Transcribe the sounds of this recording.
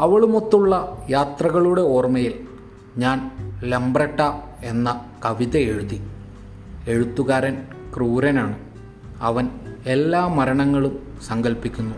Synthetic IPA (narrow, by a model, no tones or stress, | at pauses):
ɐʋɐɭumot̪ːuɭːɐjaːt̪rɐɣɐɭuɽe̞o̞ːrmɐjil | ɲaːnlembrɐʈːaːe̞nːɐkɐʋiðɐeɻuði | e̞ɻut̪ːuɣaːɾɐn | kruːɾɐnaːɳɨ | ɐʋɐne̞lːaːmɐɾɐɳɐŋːɐɭum | sɐŋɡɐlpikʲːunːu